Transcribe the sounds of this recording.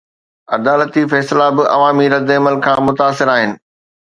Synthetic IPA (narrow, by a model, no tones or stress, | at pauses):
ɐd̪aːlət̪ifɛːslabɪʔɐ̰ʋaːmiɾɐd̪ɐməlkʰãːmʊt̪aːsɪɾaːɦɪnɪ̆